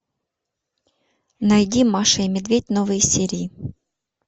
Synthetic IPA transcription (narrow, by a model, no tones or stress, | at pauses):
nɐjdʲimːaʂɐimʲɪd̪vʲetʲnovɨjəsʲeɾʲɪː